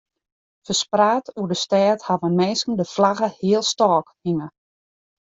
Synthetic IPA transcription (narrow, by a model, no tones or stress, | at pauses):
fəspraːtʰuədəstɛːthaʋənmɛːskən̩dəflaɣəhiəlˠstɔːkhiŋə